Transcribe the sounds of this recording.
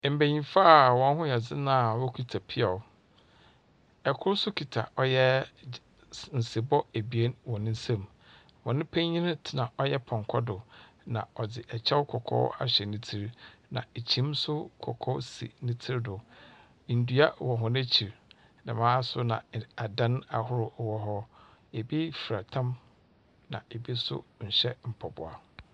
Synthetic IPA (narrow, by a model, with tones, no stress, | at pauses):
m̩˨be˨ɲĩ˨fa˦˨wɔ̃˨n˦ɦʊ̃˦jɛ˨d͡zɪ˦nã˦˨wɔ˦kʰi˨tʰa˨pʰɪ˦ɛ˨˦ | ɛ˨kʰʊ˦ɾsʊ˦kʰi˨tʰa̰˨ʔɔ˦jɛ˦ | n̩˨si˨bɔ˦æ˨bi˨e˦nwɔ̃˨nɪ̃˦n̩˦sã˦˨m | wɔ̃˨nɪ̃˦pʰæ̃˦ɲ˦ɲĩ˦nɪ̃˦tʰɪ˨nã˨ʔɔ˦jɛ˦pʰɔ̃˨ŋkʰɔ˦dʊ˨ | nã̰˨ɔ˨d͡zɪ˨ʔɛ˨t͡ɕʰɛ˦wkʰɔ˨kʰɔ̰˦wa̰˨ɕɛ˨nɪ̃˦tʰi˦ɾnã̰˨e˨t͡ɕʰĩ˦msʊ˦kʰɔ̰˨kʰɔ˦sḭ˨nĩ˦tʰi˦ɾdʊ˨ | n̩˨dɥa˦wɔ̃˨ɦɔ˨næ̃˦t͡ɕʰi˨ɾ | nã˨mãː˦sʊ˦nã̰˨a˨dã˦na˨ɦʊ˦ɾʊ˨wɔ˦ɦɔ˦ | e˨bi˦fi˨ɾa˨tʰã˦m | nã̰˨e˨bi˦sʊ̰˦ɲ̩˨ɕɛ˦m̩˨pʰɔ˨bʊ̰˨a˨